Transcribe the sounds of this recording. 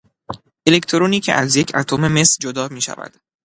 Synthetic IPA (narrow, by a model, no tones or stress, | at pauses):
ʔe̞lekt̪ʰoɾoniːcʰḛʔæzje̞cʰæt̪ʰome̞me̞sd͡ʒod̪ɒːmiːʃæ̰væ̰d̪̥